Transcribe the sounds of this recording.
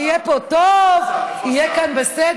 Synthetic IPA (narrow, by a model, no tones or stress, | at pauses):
ijɛpot̪ovijɛkanbesɛd